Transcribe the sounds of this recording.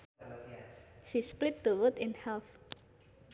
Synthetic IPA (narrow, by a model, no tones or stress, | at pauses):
ʃisplɪt̚tuwʊtɪ̃nhɛlθ